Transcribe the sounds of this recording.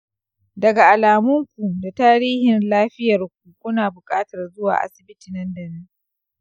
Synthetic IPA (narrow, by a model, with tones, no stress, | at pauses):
dɐ˨ɡa˨ʔa˨laː˨mʊ˦ŋkʷu˨da˨taː˦ɾiː˦hɪ˨nlaː˦ɸɪ˦jɐ˨rk̚ʷu˨kʷʊ˦naː˨bʊ˨kʼaː˦tɐ˨rzʊ˦wa̰ː˨ʔa̰˨sɪ̥˨bɪ˦tiː˨nɐ˦ndɐ˨nɪ˦ŋ